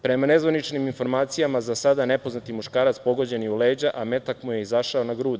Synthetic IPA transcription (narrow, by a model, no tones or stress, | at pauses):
pɾe̞mane̞zʋanit͡ʃniminfo̞ɾmaːt̪sijamazasad̪ane̞po̞znat̪imuʃkaːɾat̪spo̞ɡo̞d͡ʑe̞niuleːd͡ʑaʔame̞t̪akmuje̞izaʃao̞naɡɾuːd̪